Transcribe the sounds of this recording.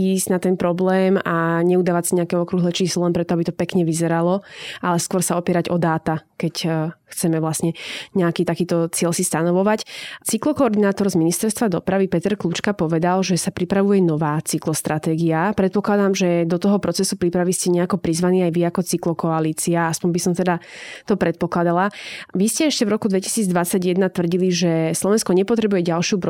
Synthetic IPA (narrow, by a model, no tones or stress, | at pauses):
iːzɟ̥nat̪ɛnpɾɔblɛːmaɲɛud̪aːʋacsiɲɛakɛɔkɾuɦlɛt͡ʃiːslɔlɛmpɾɛt̪ɔabit̪ɔpɛkɲɛʋizɛɾalɔʔalɛskʊɔɾsaɔpiɛɾaɟɔd̪aːt̪akɛcxt͡sɛmɛʋlasɲɛɲɛakiːt̪akiːt̪ɔt͡sɪɛʎsist̪anɔʋɔʋact͡siklɔkɔːɾd̪inaːt̪ɔɾzminist̪ɛɾst̪ʋad̪ɔpɾaʋipɛt̪ɛɾklut͡ʃkapɔʋɛd̪alʒɛsapɾipɾaʋujɛnɔʋaːt͡siklɔst̪ɾʔat̪ɛːɡiapɾɛt̪̚pɔklad̪aːmʒɛd̪ɔt̪ɔɦɔpɾɔt͡sɛsupɾipɾaʋiscɛɲɛakɔpɾizʋaniːajʋiakɔt͡siklɔkɔaliːt͡siaaspɔɲbisɔmt̪ɛd̪at̪ɔpɾɛt̪̚pɔklad̪alaʋiscɛɛʃcɛvɾɔkud̪ʋɛci̥siːd͡zd̪ʋat͡saɟjɛd̪nat̪ʋrɟiliʒɛslˠɔʋɛnskɔɲɛpɔt̪ɾɛbujɛɟalˠʃɪupɾ